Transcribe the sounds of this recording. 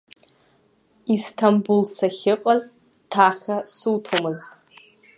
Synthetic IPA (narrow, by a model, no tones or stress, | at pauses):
istʰambulsaχʲɪqʼaz | tʰaχʲasutʰomɨztʼ